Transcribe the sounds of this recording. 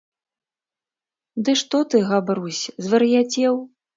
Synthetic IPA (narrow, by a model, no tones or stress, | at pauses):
d̪ɨʂt̪ɔt̪ɨɣabɾusʲzvɐɾɨjat͡sʲɛw